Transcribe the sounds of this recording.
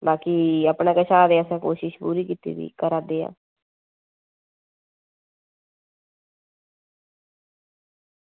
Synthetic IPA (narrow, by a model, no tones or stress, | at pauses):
baːkiːapnãːkət͡ʃʰaːd̪eːəsãːko̰ːʃɪʃpṵːɾiːkiːt̪ḭːbḭːkəɾaːd̪eːa̰ː